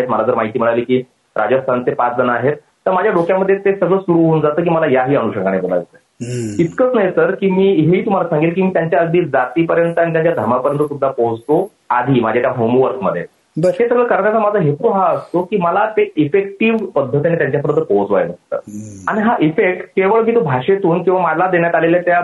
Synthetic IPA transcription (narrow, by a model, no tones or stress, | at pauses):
et̪̚məlad͡zəɾmaɦit̪iːm̤əɽ̃aliːkiː | ɾʔa̰d͡ʑast̪ʰant̪epat͡sd͡zənaɦet̪ːəɾmad͡ʑʱjaɖokjaməd̪ʱːjet̪esəɡɭəsuɾuɦound͡zat̪əːk̬iːməlajaɦiːəñuɕəŋɡaɽ̃ebola̰jt̪ə | it̪kət͡snəjesəɾkiːmiːɦeiːt̪um̤alasãŋɡilkiːmiːt̪jaɲt͡ɕjaəd̪ʱiːd͡zat̪iːpəɾjənt̪əanit̪jaɲt͡ɕjad̪ʱəɾmapəɾjənt̪ət̪umd͡zapod͡zto | ad̪ʱiːmad͡ʑʱjat̪jaɦomʋəɾkməd̪ʱjḛ | bəɦesəɡɭəkəɾəɽasamad͡zʱəɦet̪uɦaəst̪okiːməlat̪eʔifek̚ʈiʋpəd̪ʱːət̪ianit̪jaɲt͡ɕjapəɾənəpod͡zʋa̰enəst̪ə̰aɽ̃iɦaʔifek̚ʈkeʋəɭmiːt̪ubʱaʂet̪uːnkĩʋamalad̪enjat̪aleljet̪ja